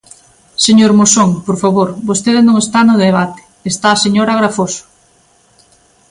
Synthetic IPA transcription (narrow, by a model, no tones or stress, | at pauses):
seɲoɾmosoŋpoɾfaβoɾbost̪eðenõŋest̪anʊðeβ̞at̪e̥ːst̪aːseɲoɾaɣɾafoso̥